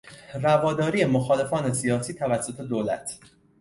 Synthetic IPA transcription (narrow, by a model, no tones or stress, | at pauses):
rævɒːd̪ɒːɾiːemoxɒːle̞fɒːne̞sijɒːsiːt̪ʰævæsːo̞t̪ʰe̞d̪oːlæ̰t̪ʰ